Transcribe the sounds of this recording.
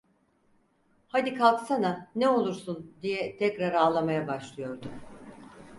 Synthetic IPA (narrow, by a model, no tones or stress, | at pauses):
had̪ikʰalˠksananɛo̞lˠuɾsund̪ijɛt̪ʰɛcɾaɾaːlˠamajabaʃlˠɯjo̞ɾd̪u